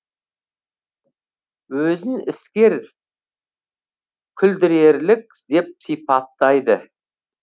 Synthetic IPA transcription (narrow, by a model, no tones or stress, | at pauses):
wɵzɪnɪskʲe̞ɾ | kʲʰʏld̪ɪɾe̞ɾlɪk̚ʲ | d̪e̞p̚sijpɑt̪ːɑjd̪ə